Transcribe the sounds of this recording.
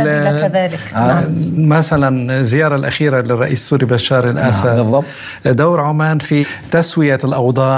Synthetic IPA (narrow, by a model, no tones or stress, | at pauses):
ðaːlɪ | maθalanzzːɪjɑːɾˤɑlʔaxiːɾalɪrˤːɑ̰ʔḭːssːuːɾibaʃːɑːɾˤɪlʔasad̪ | d̪awɾʕʊmaːnfi | t̪aswɪjalʔɑwd̪ˤɑː